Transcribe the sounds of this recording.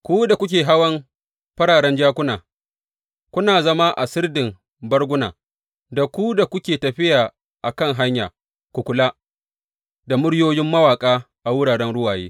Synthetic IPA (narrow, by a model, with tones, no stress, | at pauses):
kʷuː˦da˨kʷʊ˦k̬ʲeː˨ɦa˦wɐ˦m | ɸɐ˦ɽaː˨ɾɛ˦nd͡ʒaː˦kʷʊ˦naː˨ | kʷʊ˦naː˨zɐ˦ma˦ʔa˨sɪ˦rdɪ˨m | bɐ˦rɡʷʊ˦na̰ː˨ | da˨kʷu˦da˨kʷʊ˦kʲeː˨tɐ˨ɸɪ˦jaː˨ | ʔa˨kɐ˦˨ŋɦa˦ɲja̰ː˨ | kʷu˨kʷʊ˨laː˦ | da˨mʊ˦ɽjoː˦jɪ˦mːɐ˦waː˨kʼaː˦ | ʔa˨wʊ˦ɽaː˨ɽɛ˦nɽʊ˦waː˨jḛː˦